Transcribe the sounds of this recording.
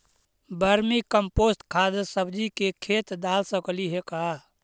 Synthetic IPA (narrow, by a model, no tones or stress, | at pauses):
bəɾmikəmpoːsʈkʰaːd̪əsəbʱd͡ʒikekʰeːt̪d̪aːlsəkliɦekaː